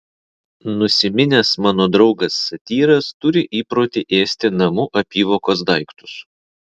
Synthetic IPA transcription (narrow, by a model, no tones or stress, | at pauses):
nʊsʲɪmʲɪnʲɛsmɑːnoːd̪ɾɒʊɡɐsːɐt̪ʲiːɾɐst̪ʊɾʲɪʔiːpɾoːt̪ʲɪʔeːsʲt̪ʲɪnɐmʊʔɐpʲiːʋoːkoːs̬d̪ɐˑɪkt̪ʊ̥s